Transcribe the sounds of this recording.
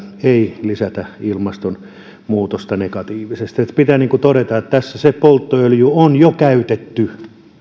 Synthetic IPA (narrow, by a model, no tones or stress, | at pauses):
eilisæt̪æilmɑst̪on | muːt̪ost̪ɑnekɑt̪iːʋisest̪iet̪pit̪æniːŋkut̪oɾet̪ɑet̪t̪æsːæsepolt̪ːoøljuonjokæyt̪et̪ːy